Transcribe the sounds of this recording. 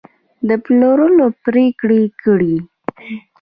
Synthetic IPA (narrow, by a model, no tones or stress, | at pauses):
d̪əploɾənopɾekɽekəɽi